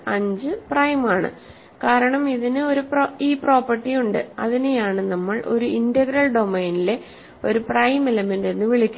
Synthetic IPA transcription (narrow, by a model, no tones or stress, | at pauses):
ɐɲd͡ʑɨprɐjmaːɳɨ̰ | kaːɾɐɳɐmiðinɨo̞ɾuproiːpro̞ːpːɐrʈːijuɳɖɨ̰ɐ̰ðinejaːɳɨnɐmːɐɭʔo̞̰ɾuindɐɡɾɐɭɖo̞meːnile̞ | o̞ɾuprɐjmelemende̞nːɨʋiɭikʲːu